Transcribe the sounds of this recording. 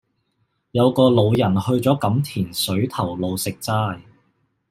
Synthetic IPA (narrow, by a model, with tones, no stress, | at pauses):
jɐ˨˧wkɔː˧lo˨˧wjɐ˨˩nhɵ˧ɥt͡sɔː˨˥kɐ˨˥mt̪ʰiː˨˩nsɵ˨˥ɥt̪ʰɐ˨˩wlo˨˧wsɪ˨k̚t͡saː˥j